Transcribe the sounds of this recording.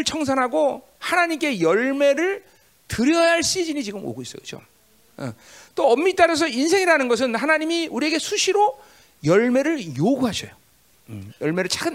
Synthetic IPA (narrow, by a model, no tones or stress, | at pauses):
ɯɭt͡ɕʰʌŋsʰanɦaɡo | hanaɲimk͈e̞jʌɭme̞ɾɯɭ | tɯɾjʌjaɭs͈id͡ʑiɲit͡ɕiɡɯmo̰ɡois͈ʌjɡɯd͡ʑo̰ | ʌ̰ | t͈oʌmːit͈aɾʌs̬ʰʌins̬ʰe̞ŋiɾanɯnɡʌs̬ʰɯnɦanaɲimiuɾieɡe̞sʰuɕʰiɾo | jʌɭme̞ɾɯɭjoɡuɦaɕʰʌjo | jʌɭme̞ɾɯɭt͡ɕ͈akʰɯn